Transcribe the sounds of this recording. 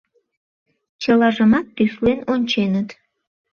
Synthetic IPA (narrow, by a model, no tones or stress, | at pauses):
t͡ɕəlɑʒəmɑt̪ːyslenonʲt͡ɕenət̪